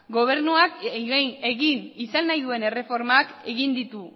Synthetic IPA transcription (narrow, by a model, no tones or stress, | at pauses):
ɡo̞β̞e̞ɾnuak | e̞ɣinisanːajðue̞ne̞re̞fo̞ɾmake̞ɣind̪it̪u